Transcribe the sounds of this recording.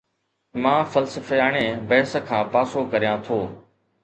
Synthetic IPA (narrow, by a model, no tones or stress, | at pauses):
mãːfəlsəfeaːɳ̃eːbɐːsə̆kʰãːpaːsoːkəɾijãːt̪ʰoː